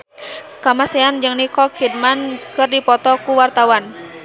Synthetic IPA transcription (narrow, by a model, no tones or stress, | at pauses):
kamasɛand͡ʒɨŋnikɔkʰid̚mankɨrdipɔt̪ɔkuwart̪awan